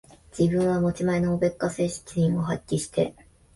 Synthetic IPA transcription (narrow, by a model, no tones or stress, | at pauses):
d͡ʑ̥ibɯ̟̃ɰ̃βamo̞t͡ɕimainoobe̞kːase̞ːɕi̥t͡sʲiɲĩɰo̞ɦakʲːiɕi̥t̪e̞